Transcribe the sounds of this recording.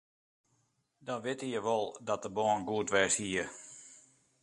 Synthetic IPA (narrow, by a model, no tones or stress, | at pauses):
dɔnʋɪtəjəʋɔlˠdɔt̚dəbɔːnɡuətʋɛshiə